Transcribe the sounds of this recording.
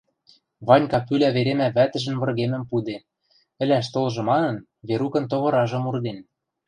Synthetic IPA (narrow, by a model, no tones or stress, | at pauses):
βɑnʲkɑpylæβeɾemæβæt̪ə̆ʒɘ̆nβɤ̆rɣemɘ̆mpud̪e | ɘ̆lʲæʃ̬t̪olʒɤ̆mɑnɤ̆n | βeɾukɤ̆nt̪oβɤ̆ɾɑʒɤ̆murd̪en